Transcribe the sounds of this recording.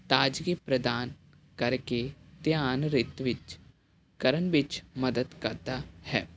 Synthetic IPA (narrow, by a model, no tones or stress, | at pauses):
t̪aːd͡ʒkepɾəd̪aːn | kəɾket̪jaːnɾɪt̪ʋɪt͡ʃ | kəɾənʋɪt͡ʃməd̪əd̪kəɾd̪aːhɛ̰ː